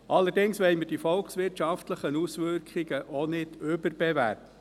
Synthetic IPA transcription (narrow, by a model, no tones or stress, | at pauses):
ʔɑlːəɾdɪŋsʋɛɪjməɾd̥ifɔlksʋɪrtʃɑftləχənusʋʏɾkʰχɪɡəʔɔnɪd̥ʏbəɾb̥ɛvæ̰ɾtə